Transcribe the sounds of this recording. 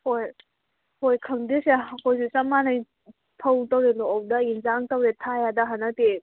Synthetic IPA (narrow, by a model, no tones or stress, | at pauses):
hoj | hojkʰɐmdeseɦkojsusɐmanɐj | pʰɐwtɐwɾelɔwdɐinzaŋtɐwɾetʰajadɐɦanɐte